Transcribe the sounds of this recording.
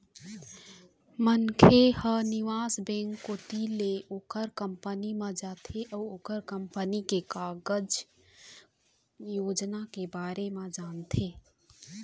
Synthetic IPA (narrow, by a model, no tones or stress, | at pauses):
mənkʰehənɪʋaːsbẽŋkːoːt̪ileoːkəɾkəmpənimãd͡ʒaːt̪ʰeʔɔːoːkəɾkəmpənikekaːɡəd͡ʒ | joːd͡ʒnakebaːɾemãd͡ʒaːnt̪ʰeː